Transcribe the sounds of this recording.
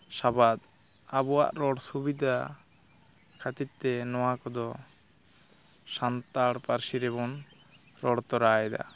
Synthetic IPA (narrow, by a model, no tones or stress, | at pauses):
sabad̪ | abɔwa̰ʔɾɔɽsubid̪ʱa | kʰat̪it̪t̪t̪ːɛnɔwakɔd̪ɔ | sant̪aɽpaɾsiɾɛbɔn | ɾɔɽt̪ɔɾajɛd̪a̰